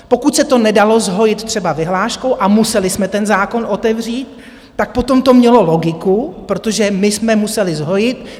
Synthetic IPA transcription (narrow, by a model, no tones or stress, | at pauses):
po̞kut̪sɛt̪o̞nɛdalo̞zɦo̞jɪt̪t̪r̥ɛbavɪɦlaːʃkowʔamusɛlɪsmɛt̪ɛnzaːko̞nʔo̞t̪ɛvr̝iːt̪̚ː | ak̚po̞t̪o̞mt̪o̞mɲɛlo̞lo̞ɡɪkupɾo̞t̪o̞ʒɛmɪsmɛmusɛlɪzɦo̞jɪt̪